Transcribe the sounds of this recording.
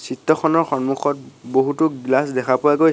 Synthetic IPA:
sitːɔxʰɔnɔɹxɔnmuxʰɔt̚boɦutʊɡlasdɛkʰapʊaɡo

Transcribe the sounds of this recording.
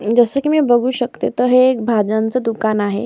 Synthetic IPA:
d͡zəsəkiːmibəɡʱuːɕəkt̪et̪əɦekbʱad͡ʑant͡səd̪ukanaɦḛ

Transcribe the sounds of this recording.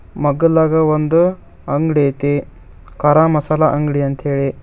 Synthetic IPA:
mɐɡɐlɐɡɐʋɐnd̪u | ɐŋɡɽet̪e | kɐɾamɐsalaʔɐŋɡɽiɐnt̪ʰeːɭe

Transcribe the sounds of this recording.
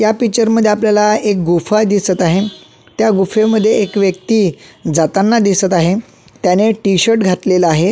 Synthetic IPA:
japit͡ɕəɾməd̪ʱːjeapljalaek̚ɡufad̪isət̪aɦe | t̪jaɡufeməd̪ʱːjeːkʋjəkt̪iːd͡zat̪anːad̪isət̪aɦe | t̪janeʈiɕəɾʈɡʱat̪leləaɦe

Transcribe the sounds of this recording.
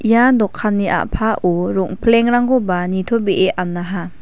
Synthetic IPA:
ijadɔkʰːanːiʔa̰ʔpʰaʔɔɾɔŋpʰleŋɾaŋɡɔbanitʰɔbeʔeʔanːaɦa

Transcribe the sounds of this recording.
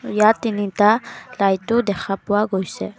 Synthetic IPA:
jat̪init̪alajt̪od̪ɛkʰapuwaɡojsɛ

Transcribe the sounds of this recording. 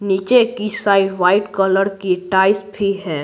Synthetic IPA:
niːt͡ʃekisaːɪɖʋaːɪʈkɔləɾkiʈaːɪsbʱiɦɛː

